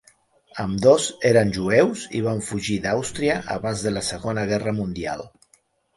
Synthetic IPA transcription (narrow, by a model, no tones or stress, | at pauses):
əmd̪ozeɾənʲʒuɛwzḭβ̞aɱfuʒiðawst̪ɾiəʔə̰βanzðələsəɣonəɣ̞ɛrəmund̪ia̰lˠ